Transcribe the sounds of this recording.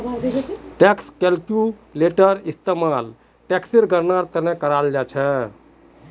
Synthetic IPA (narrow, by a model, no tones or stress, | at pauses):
ʈekskelkjuleʈəɾist̪emal | ʈeksiɾɡəɾnaɾt̪ənekəɾald͡ʒat͡ʃʰɛ